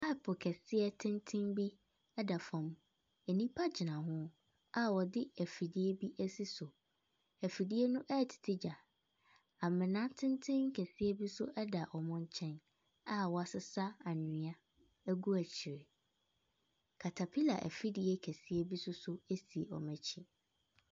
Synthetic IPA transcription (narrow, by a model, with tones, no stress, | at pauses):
a˦˨pʰʊ˨kʰɛ˨sɪ˦ɛ˦tʰɪ̃˦ntʰɪ̃˦mbi˦ | ɛ˦da˨fã˨m | ɛ˨nĩ˦pʰa˦d͡ʑɪ˨nã˨ɦʊ̃˦ | a˦˨wɔ˨dɪ˦æ˨fi˨di˦e˦bi˦ʔæ˦si˦sʊ˨ | æ˨fi˨di˦e˦nʊ̃˦ʔɛ˦˨tʰɪ̥˨tʰɪ˦d͡ʑa˨ | a˨mɪ̃˨nã˦tʰɪ̃˦ntʰɪ̃˦ŋŋ̩˦kʰæ˨si˦e˦bi˦sʊ˦ʔɛ˦da˨ʔɔ˨mʊ̃˦ɲ˦t͡ɕʰɛ̃˦n | a˦wɔ˨a˨sɪ˦sa˦a˨nɪ̃˨a˦ | æ˦ɡu˦æ˨t͡ɕʰɪ˨ɾɪ˨ | kʰa˨tʰa˨pʰi˦la̰˨ʔæ̰˨fi˦di˨˦e˦kʰæ˨si˦e˦bi˦sʊ˦sʊ˦e˦si˨e˨ɔ̰˨mæ̃˨t͡ɕʰi˦